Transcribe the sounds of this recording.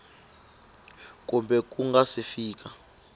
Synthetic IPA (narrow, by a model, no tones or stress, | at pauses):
k̬ʼumbɛk̬ʼuŋɡasifiːk̬ʼa